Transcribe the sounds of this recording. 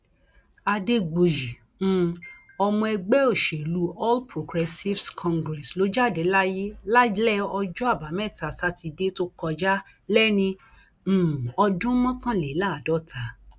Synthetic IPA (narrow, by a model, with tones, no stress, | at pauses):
a˧de˧ɡ͡bo˨jĩ˨˦ | ɔ˧mɔ̃˧ɛ˧ɡ͡bɛ˦o˦˨ʃe˨lu˨˦ɔ˦lpɾo˨ɡɾɛ˧si˦fskʰɔ̃˧ŋɡɾɛ˨slo˨˦d͡ʒa˦˨dɛ˨˦la˦je˦la˦lɛ˦ɔ˧d͡ʒɔ˦a˦˨ba˨˦mɛ˦˨ta˨sa˦ti˧de˦to˦kɔ˧d͡ʒa˦ | lɛ˦nĩ˧˨ | ɔ˧dũ˦mɔ̃˦kã˦lɛe˨˦la˦˨dɔ˦˨tʰa˨˦